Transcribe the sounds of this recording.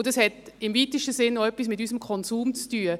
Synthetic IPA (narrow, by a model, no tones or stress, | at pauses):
ʊdɑshɛtɪmviːtəʃtəsɪnːoœpːis̬mɪtysəmkʰɔnsuːmt͡styːə